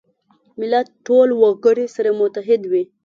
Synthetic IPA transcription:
mɪlat̪̚ʈːolwaɡəɽisaɾamʊt̪aɦɪd̪wi

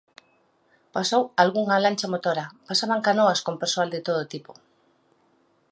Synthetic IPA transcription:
pasowalɣuŋalant͡ʃamot̪oɾapasaβaŋkanoaskompeɾsoald̪et̪oð̞ot̪ipo̥

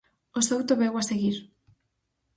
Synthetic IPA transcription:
osowt̪oβewaseɣiɾ

